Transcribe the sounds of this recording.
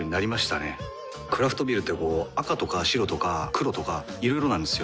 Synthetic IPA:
ɲ̟inaɾʲimaɕi̥t̪a̰ne̞̰ | kɯ̟ɾaɸɯ̟t̪o̞bʲiɾɯ̟t̪ːe̞ko̞ːakat̪o̞kaɕiɾo̞t̪o̞kakɯ̟ɾo̞t̪o̞ka | iɾo̞iɾo̞nãnd̪e̞sɨjo̞

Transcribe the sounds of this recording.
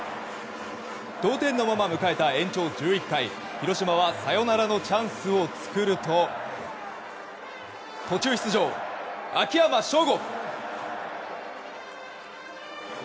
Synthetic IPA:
d̪̥o̞ːt̪ẽ̞nːo̞mamamɯ̟kae̞t̪aẽ̞ɲ̟t͡ɕo̞ːd͡ʑɨːikːai | çiɾo̞ɕimaβasajo̞naɾano̞t͡ɕãɰ̃sɨo̞t͡sɨ̥kɯɾɯ̟t̪o̞ | t̪o̞t͡ɕɨːçʲi̥t͡sɨʑo̞ːakʲijamaɕo̞ːɡok

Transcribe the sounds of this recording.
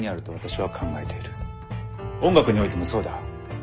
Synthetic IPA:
ɲ̟iaɾɯ̟t̪o̞β̞at̪aɕiβakʰãŋɡae̞t̪e̞iɾɯ̟̥ | õ̞ŋɡakɯ̟ɲ̟io̞it̪e̞mo̞so̞ːd̪a̰

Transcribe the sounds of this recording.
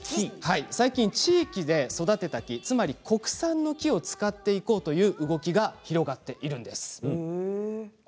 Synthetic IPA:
haisaikʲĩɲt͡ɕiːkʲid̪e̞so̞d̪at̪e̞t̪akʲit͡sɨmaɾʲikʰo̞kɯ̟̥sãnːo̞kʲio̞t͡sɨ̥kat̪ːe̞iko̞ːt̪o̞jɯ̟ːʔɯ̟ɡo̞kʲiɡaçiɾo̞ɡat̪ːe̞ʔiɾɯ̟̃nd̪e̞sɨ̥

